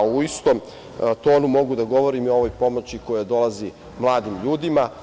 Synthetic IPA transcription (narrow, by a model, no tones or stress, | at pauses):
uist̪om | t̪o̞ːnumo̞ɡud̪aɡo̞ʋo̞ɾimiooʋojpo̞mot͡ɕikojad̪o̞lazi | mlˠaːd̪imʎuːd̪ima